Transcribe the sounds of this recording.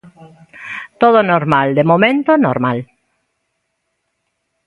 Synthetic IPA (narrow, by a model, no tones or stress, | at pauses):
t̪oðonoɾmald̪emomẽnt̪onoɾmal